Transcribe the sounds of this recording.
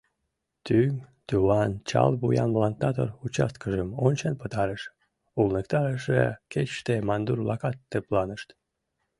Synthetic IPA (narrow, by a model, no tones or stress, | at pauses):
t̪ymt̪uwɑnt͡ɕɑ̰lbujɑnplɑnt̪ɑt̪o̰rut͡ɕɑ̰st̪kəʒəmonʲt͡ɕənpət̪ɑɾəʃ | ulnəkt̪ɑɾəʃḛket͡ɕʃt̪emɑnd̪urlɑkɑt̪ːeplɑnəʃt̪